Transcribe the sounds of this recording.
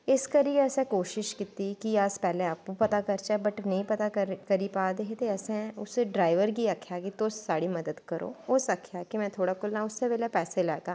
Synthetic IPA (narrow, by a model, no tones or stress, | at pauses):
ɪskəɾieəsekoːʃɪʃkɪt̪ːikiaːspɛːlẽaːpũpɐt̪akɐɾt͡ʃabɐʈnɐɦĩpɐt̪aɾkɐɾipaːd̪eɦet̪eɐsẽʊseɖɾaːɪʋəɾɡiakʰjakit̪osːaːɽimɐd̪əd̪kɐɾo̰ːʊsəkʰjakimɛ̃ːt̪ʰoːɽakʊlnaʊsːebeːlepɛːselɛːɡaː